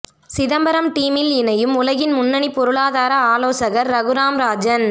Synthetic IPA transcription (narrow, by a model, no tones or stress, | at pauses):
sɪðɐmbɐɾɐmʈiːmɪlɪnɐjɯmʊlɐɣɪnmʊnːɐɳipːɔɾɯɭaːðaːɾɐaːloːsɐɣɐɾːɐɣɯɾaːmɾaːd͡ʒɐn